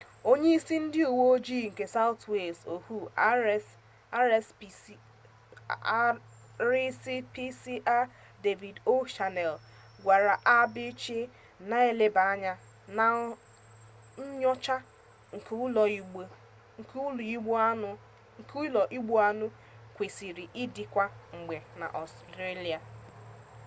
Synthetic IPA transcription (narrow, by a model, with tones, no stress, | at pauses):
o˦ɲe˦i˦si˦n̩˦dɪ˦u˨wo˦d͡ʒi˦˨ŋ̩˨ke˨sa˦ʊ˦twe˨lso˨hu˦ | s | ɾɪ˦si˦pi˦si˦ʔa˦ | de˨vi˨do˦ʃa˨nɛ˨l | ɡʷa˨ɾa˨ʔa˦bɪ˦t͡ʃi˦ | na˦e˦le˦ba˨˦ɲa˦ | na˨ | n̩˦ɲɔ˦t͡ʃa˦ | ŋ̩˨klɔ˨˦˨ | li˦ɡ͡b | ŋ̩˨ku˦lɔ˨ʔi˦ɡ͡bu˦a˦nʊ˦ | kʷe˨si˨ɾi˨ʔi˦di˨kʷa˦ŋ͡m̩˨ɡ͡be˨na̰˨ʔɔ˨stɾe˦li˨a˨